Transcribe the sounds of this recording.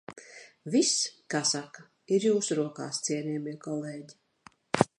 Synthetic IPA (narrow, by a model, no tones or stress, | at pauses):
viskaːsaka | iɾjuːsuɾuɔka̰ːst̪siɛnʲiɛmiɛkɔlˠeːɟi